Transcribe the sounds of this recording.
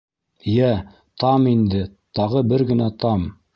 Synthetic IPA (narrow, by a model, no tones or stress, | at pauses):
jæ | t̪ɑmind̪ɘt̪ɑʁɤbɘɾɡɘ̆næt̪ɑm